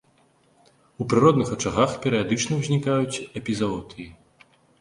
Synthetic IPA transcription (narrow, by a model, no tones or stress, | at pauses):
upɾɨɾɔd̪nɨxɐt͡ʂaɣaxpʲɛɾɨjad̪ɨt͡ʂnɐwzʲnʲikajut͡sʲɛpʲizaɔt̪ʰɨji